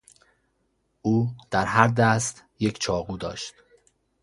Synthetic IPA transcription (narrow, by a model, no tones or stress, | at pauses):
ʔuːd̪̥æɾɦæɾd̪æst̪je̞cʰt͡ʃʰɒːɣuːd̪ɒ̰ːʃt̪